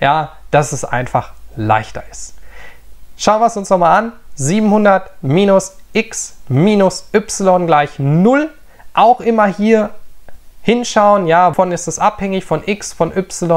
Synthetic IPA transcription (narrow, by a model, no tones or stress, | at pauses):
jaːd̥asɛsʔa̰ɪnfaχla̰ɪçtɐ̰ɪst | ʃaʊnviəsʊnsnɔχmaːlanziːbm̩hʊndɐtmiːnʊsʔɪksmiːnʊsʔʏpsɪlɔnɡlaɪçnʊl | ʔaʊxʔɪmɐhiːɐ | hɪnʃaʊənjaːfɔnɪstɛsʔaphɛŋɪçfɔnʔɪksfɔnʔʏpsɪlɔn